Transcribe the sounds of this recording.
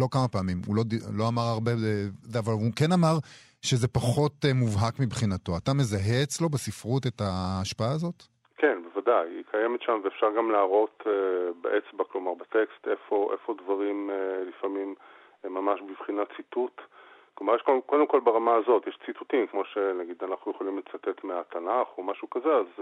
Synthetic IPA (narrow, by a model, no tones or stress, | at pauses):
lo̞kamapaːmimulo̞dilo̞amaʁaʁbeeavalukenamaʁ | ʃezepaχo̞tmuvɦakmibχinato̞atamezaɦet͡slo̞besifʁutetaːʃpaaːzo̞t | kenbevadajḭkʰajemet̪ʃamveːfʃaʁɡamlaaʁo̞t̪ebeʔet͡sbaklo̞maʁbet̪ekst̪efo̞ʔefo̞dvaʁimlifamim | mːamaʃbivχinat͡situt̪klomaʁjɛʃkoko̞d̪emko̞lbeʁamaːzo̞tjɛʃt͡sit̪utimkmo̞ʃenaɡid̪anaχnujeχolimlet͡sat̪et̪meat̪anaχo̞maʃukazeaz